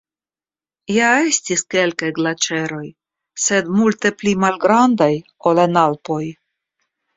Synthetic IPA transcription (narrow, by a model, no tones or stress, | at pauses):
jae̞stiske̞lkajɡlat͡ʃe̞ɾo̞j | se̞dmulte̞plimalɡɾandaj | o̞lanalpo̞j